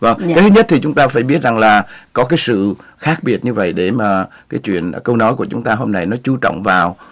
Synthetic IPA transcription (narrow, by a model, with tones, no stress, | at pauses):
və˧˩ŋkaː˨˦t̪ʰɲə˦˥t̚t̪ʰi˨˩t͡ɕʊ˨˦ŋ͡mt̪aː˧faː˧˩jɓi˦˥ət̚za˨˩ŋlaː˨˩kɔ˨˦kaː˨˦jsɨ̰˧˨xaː˦˥k̚ɓi˨˧˩ət̚ɲɨ˧və̰˧˨jɗe˧˩maː˨˩ | kaː˨˦jt͡ɕwḭ˧˨ənkə˧wnɔ˨˦jk̬u˧˩ət͡ɕʊ˨˦ŋ͡mt̪aː˧ɦo˧mna˧jnɔ˨˦t͡ɕu˨˧˦t͡ɕɔ̰˧˨wŋ͡mvaː˨˩w